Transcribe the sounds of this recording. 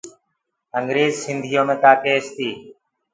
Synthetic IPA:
əŋɡɾeːzsɪnd̪ʱijoːmẽːt̪aːkeːst̪iː

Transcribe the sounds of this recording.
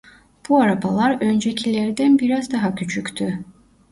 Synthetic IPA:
b̥uaɾabalˠaɾø̞nd͡ʒecʰilʲæɾd̪ænbiɾazd̪aɦacʰyt͡ʃʰyct̪ʰy

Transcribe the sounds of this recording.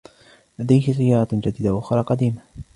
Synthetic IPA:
lad̪ajhɪzɪjːɑːɾˤɑd͡ʒad̪iːd̪aʔʊxɾˤɑqɑd̪iːma

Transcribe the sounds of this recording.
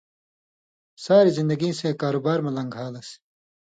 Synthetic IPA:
saːɾizind̪ɐɡĩseːkaːɾubaːɾmɐlɐ̃ŋɡʱaːlɐs

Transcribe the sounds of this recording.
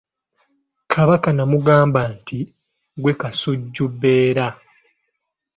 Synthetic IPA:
kʰaβakanamuɡaːmbanti | ɡwekasuɟːubːe̞ːɾa

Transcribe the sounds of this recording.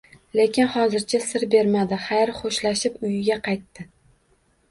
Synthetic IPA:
le̞kʲɪnχɒzɪɾt͡ʃʰasɪɾbe̞ɾmad̪ɪχajɾχoʃlaʃɪpʊjɪɡʲaqʰɑjt̪ːɪ

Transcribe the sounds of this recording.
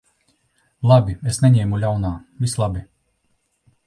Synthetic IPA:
lˠabʲiesnɛɲɛːmulʲawnaːvislˠabʲi

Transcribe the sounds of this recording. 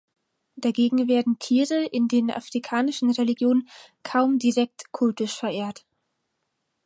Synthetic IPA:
d̥aɡeːɡŋ̩veːɐdn̩tʰiːʁəʔɪndeːnʔa̰fʁ̥ikʰaːnɪʃn̩ʁeliɡjoːnən | kʰaʊmdiʁɛk̚tkʰʊltɪʃfɛɐʔeːɐt

